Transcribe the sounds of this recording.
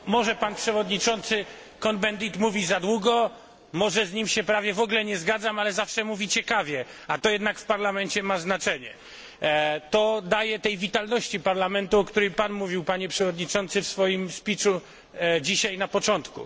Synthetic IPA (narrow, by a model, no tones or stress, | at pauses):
mɔʐɛpanpʂɛvɔd̪ɲit͡ʂɔnt̪sɘ | kɔnbɛnd̪it̪muvʲizad̪wuɡɔ | mɔʐɛzɲimɕɛpɾavʲjɛvɔɡlɛɲɛzɡad̪zamalɛzafʂɛmuvʲit͡ɕɛkavʲjɛat̪ɔjɛd̪nakfpaɾlamɛnt͡ɕɛmaznat͡ʂɛɲɛ | t̪ɔd̪ajɛt̪ɛjvʲit̪alnɔɕt͡ɕipaɾlamɛnt̪uɔkt̪uɾɛjpanmuvʲiwpaɲɛpʂɛvɔd̪ɲit͡ʂɔnt̪sɘfsfɔjimspʲit͡ʂu | d͡ʑiɕajnapɔt͡ʂɔnt̪kṵ